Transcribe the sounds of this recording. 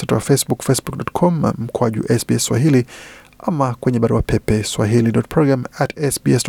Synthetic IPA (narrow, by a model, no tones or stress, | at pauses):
satuwafɛsbukfɛsbukdɔtkʰɔmna̰m̩kwaʄṵʔɛsbiɛswa̰hili | amakwɛɲɛɓaɾuapʰɛpɛswaɦiliɗɔt̚pʰɹɔɡɾamatɛsbiɛs